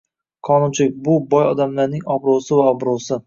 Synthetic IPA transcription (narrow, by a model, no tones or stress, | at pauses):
qʰɒnʊnt͡ʃʰɪlɪk̚bʊbɒjɒd̪amlaɾnɪŋɒbɾowsɪvaɒbɾowsɪ